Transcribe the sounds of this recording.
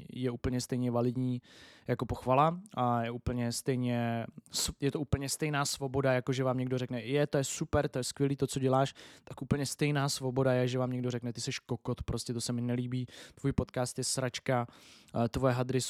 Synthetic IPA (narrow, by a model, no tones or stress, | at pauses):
jɛuːpl̩ɲɛst̪ɛjɲɛvalɪd̪ɲiːjako̞po̞xvalaʔajɛʔuːpl̩ɲɛst̪ɛjɲɛsjɛt̪oʔuːpl̩ɲɛst̪ɛjnaːsvo̞bo̞dajako̞ʒɛvaːmɲɛɡdo̞rɛknɛjɛt̪o̞jɛsupɛɾt̪o̞jɛskvjɛliːt̪ot͡so̞ɟɛlaːʃt̪akʔuːpl̩ɲɛst̪ɛjnaːsvo̞bo̞dajɛʒɛvaːmɲɛɡdo̞ɾɛknɛt̪ɪsɛʃkokot̪pɾo̞scɛt̪o̞sɛmɪnɛliːbiːt̪vuːjpo̞t̪kaːst̪jɛsɾat͡ʃkat̪vojɛɦad̪ɾɪ